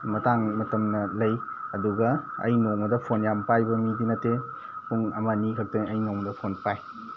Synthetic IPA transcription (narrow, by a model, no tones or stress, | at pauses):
mɐtaŋmɐtɐmnɐlɐj | ɐduɡɐɐ̰jnoŋmɐdɐpʰonjampajbɐmidinɐte | puŋɐmanikʰɐk̚tɐnɐjnoŋmɐdɐpʰonpaj